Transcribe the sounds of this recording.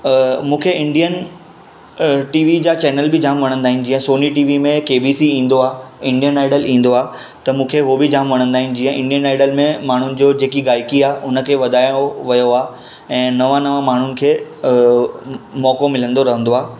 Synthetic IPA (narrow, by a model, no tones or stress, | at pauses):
mũːkʰeʔɪ̃ɳɖijən | ʈiːʋid͡ʑaːt͡ɕɛːnəlbɪd͡ʑʱaːmʋɐɽ̤̃ə̃nd̪aːɦɪ̃nɪ̆d͡ʑiːə̃soːniʈiːʋimẽkeːbiːsiĩːnd̪oaːɪ̃ɳɖijənaːɪɖəlĩːn̆d̪oaː | t̪ɐmũːkʰeɦobɪd͡ʑʱaːmʋɐɽ̤̃ə̃nd̪aːɦɪ̃nɪ̆d͡ʑiːə̃ʔɪ̃ɳɖijənaːɪɖəlmẽmaːɳ̤ʊnɪ̆d͡ʑoːd͡ʑeːkiɡaːɪkiaːʔʊnə̆kʰeːʋɐd̪aːjoʋɐjoaː | ɛ̃ːnɐʋãnɐʋãmaːɳ̤ʊnɪ̆kʰeː | mɔːkomɪlə̃nd̪oɾɐɦə̃nd̪oaː